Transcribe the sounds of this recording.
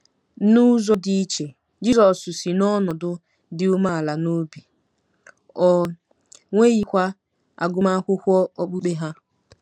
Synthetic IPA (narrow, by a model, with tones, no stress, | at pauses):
nu˦zo˦di˦i˦t͡ʃe˨ | d͡ʒi˦zɔ˨sʊ˨si˨nɔ˦nɔ˨dʊ˦ | dɪ˦u˦ma˦a˨la˨no˦bi˨ | ɔ˨ | ŋʷe˦ji˨kʷa˦ | a̰˨ɡʊ˦ma˦kʷʊ˦kʷɔ˦o˦k͡pu˦k͡pe˦ɦa˦